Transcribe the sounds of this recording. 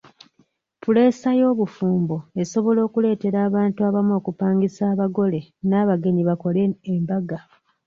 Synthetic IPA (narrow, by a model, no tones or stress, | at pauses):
pule̞ːsajo̞ːβufuːmbo̞e̞so̞βo̞lo̞ːkule̞ːte̞ɾaːβaːntuaβamo̞ːkupaːŋɡisaːβaɡo̞le̞naːβaɡe̞ɲiβako̞leːmbaɡa